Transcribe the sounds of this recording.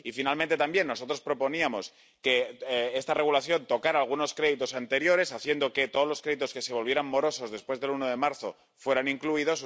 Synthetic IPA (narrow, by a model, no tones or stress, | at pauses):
ifinalmẽnt̪e̞t̪ambje̞nːo̞so̞t̪ɾo̞spɾo̞po̞niamo̞s | ke̞est̪are̞ɣ̞ulaθjo̞nt̪o̞kaɾaːlɣ̞uno̞skɾe̞ðit̪o̞sant̪e̞ɾjo̞ɾe̞saθje̞nd̪o̞ke̞t̪o̞ðozlo̞skɾe̞ðit̪o̞ske̞se̞βo̞lβje̞ɾammo̞ɾo̞so̞zðe̞spwe̞zðe̞luno̞ðe̞maɾθo̞ | fwe̞ɾaniŋkluiðo̞s